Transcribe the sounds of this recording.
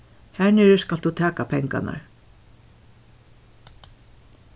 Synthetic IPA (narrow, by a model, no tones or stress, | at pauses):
hɛɹnɪɾskald̪ut̪ʰæːkapʰɛŋka̰na̰ɹ